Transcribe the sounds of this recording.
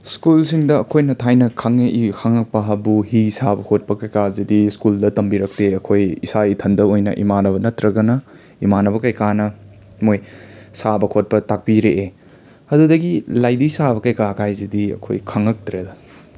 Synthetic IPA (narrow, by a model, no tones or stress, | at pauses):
skulsiŋdɐɐkʰojnɐtʰajnɐkʰɐŋeʔikʰɐŋːɐk̚pɐɦɐbuhisabɐkʰot̚pɐkɐjkazidiskuldɐtɐmbiɾɐk̚teɐkʰojḭsaitʰɐndɐojnɐ̰ʔḭmanɐβɐnɐtɾɐɡɐnɐ | imanɐβɐkɐjkanɐ | mojsabɐkʰot̚pɐtak̚piɾeʔe | ɐdudɐɡilajdisabɐkɐjkakʰajzidiɐ̰kʰo̰jkʰɐŋːɐk̚tɾedɐ